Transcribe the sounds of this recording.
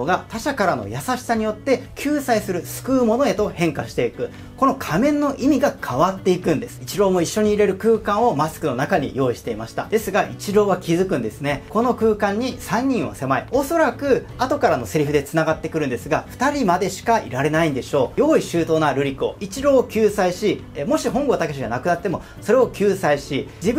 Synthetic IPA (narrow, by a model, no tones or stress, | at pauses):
oɡat̪aɕakaɾano̞̰jasaɕi̥saɲ̟ijo̞t̪ːe̞kʲʰɨːsaisɨɾɯ̟sɨ̥kɯ̟ːmo̞no̞e̞t̪o̞hẽ̞ŋkaɕi̥t̪e̞ikɯ̟ | ko̞no̞kʰamẽ̞nːo̞ʔimʲiɡakʰaβat̪ːe̞ikɯ̟̃nd̪e̞sɨ̥it͡ɕiɾo̞ːmo̞iɕːo̞ɲ̟iːɾe̞ɾɯ̟kɯ̟ːkãɰ̃o̞masɨ̥kɯ̟no̞nakaɲ̟ḭjo̞ːiɕi̥t̪e̞imaɕi̥t̪a̰d̪̥e̞sɨɡaʔit͡ɕiɾo̞ːβakʲizɨkɯ̃nd̪e̞sɨne̞ko̞no̞kɯːkãɲ̟ːisãɲ̟ːĩɰ̃βa̰se̞maio̞so̞ɾakɯ̟ | at̪o̞kaɾano̞seɾʲiɸɯ̟d̪e̞t͡sɨnaɡat̪ːe̞kɯ̟ɾɯ̟̃nd̪e̞sɨɡaɸɯ̟̥t̪aɾʲimad̪e̞ɕi̥kaḭɾaɾe̞naĩnd̪e̞ɕo̞ːjo̞ːiɕɨːt̪o̞ːnaɾɯ̟ɾʲiko̰it͡ɕiɾo̞ːkʲɨːsaiɕi | mo̞ɕiɦõ̞ŋɡot̪akeɕoɲanakɯ̟nat̪ːe̞mo̞ | so̞ɾe̞o̞kʲɨːsaiɕid͡ʑib